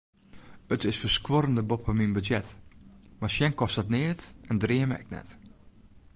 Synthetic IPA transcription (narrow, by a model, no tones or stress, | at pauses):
ətɪsfərskwoɾəndəbopfəminbətjɛtmasjɛnkɔstətnɪətɛndrɪəmə̰ɛ̰k̚nɛ̰t